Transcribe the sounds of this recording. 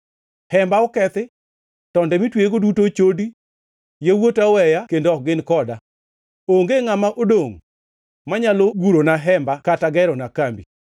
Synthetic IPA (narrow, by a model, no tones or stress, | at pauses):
hɛmbaɔkɛt̪ɪ | tɔndɛmitweɡodutot͡ʃodi | jewotawɛjakendoɔk̚ɡɪnkɔda | oŋɡeŋamaʔodoŋ | maɲaloɡuɾonaɦɛmbakataɡɛɾɔnakambḭ